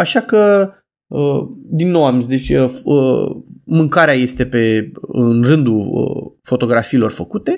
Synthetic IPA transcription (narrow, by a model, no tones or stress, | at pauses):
aʃakə | əd̪inːowamzd̪e̞t͡ʃʲəfəmɨŋkaɾeaje̞st̪e̞pe̞ɨnrɨnd̪uə̰fo̞t̪o̞ɡɾafiːlo̞rfəkut̪e̞